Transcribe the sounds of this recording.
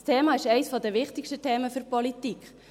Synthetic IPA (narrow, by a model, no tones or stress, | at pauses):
stʰeːmɑːɪʃɛɪsfɔdɛʋɪχtɪkʃtətʰeːməfʏɾpɔlitikχ